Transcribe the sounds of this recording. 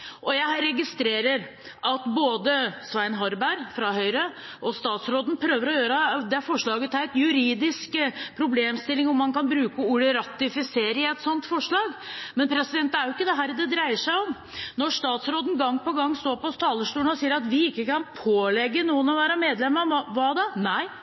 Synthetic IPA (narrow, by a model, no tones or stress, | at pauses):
ʔɔjæɪɾɛɡɪst̪ɾeːɾəɾ | ʔɑt̪boːd̪əsʋæɪnɦɔɾbæɾfɾɑɦœʏɾə | ʔɔst̪ɑːt̪sɾoːd̪n̩pʰɾøːʋəɾɔjøːɾəd̪ɛæɾfɔʂɭɑːɡət̪ʰæɪt̪jʉɾiːd̪ɪskpʰɾʊbleːmst̪ɪlːɪŋɔmːɑnkɑnbɾʉːkəuːɽəɾɑt̪ɪfɪseːɾəɪæɛt̪sɔnt̪fɔʂɭɑːɡmɛnpʰɾɛsɪd̪ɛnt̪æɾjʊɪkːəd̪ɛɦæːɾd̪ɛd̪ɾæɪəʂæɪɔm | nɔʂt̪ɑːt̪sɾoːd̪n̩ɡɑŋːpɔɡɑŋːst̪oːɾpɔst̪ʰɑːləʂʈʉːənɔsiːəɾɑt̪ʋɪɪkːəkʰɑnpʰoːlɛɡːənuːənɔʋæːɾəmeːd̪lɛmːəɾʋɑd̪ɑnæɪ